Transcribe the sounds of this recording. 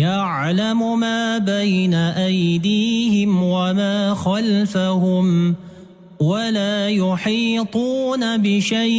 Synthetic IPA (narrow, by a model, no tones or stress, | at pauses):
ja | ʕ | lamʊmaːbajnaʔajd̪iːhɪmwamaːxalfahʊm | walaːjʊħiːt̪ˤuːnabɪʃaj